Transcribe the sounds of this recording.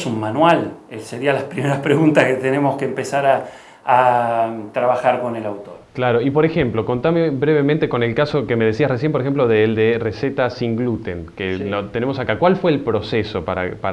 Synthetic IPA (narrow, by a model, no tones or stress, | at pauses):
sunmanwaleseɾialaspɾimeɾapɾeɣunt̪aket̪enemoskeːmpesaɾaː | t̪ɾaβaxaɾko̞nelawt̪oɾklaɾo̞ipo̞ɾexe̞mplo̞ko̞nt̪ameβɾeβemẽnt̪eko̞ne̞lkasokemeð̞esiasresje̞mpoɾexemp̬lo̞ðeːld̪ereset̪asiŋɡlut̪enkelot̪ene̞mosakakwalfweːlpɾoseso̞paɾa̰pa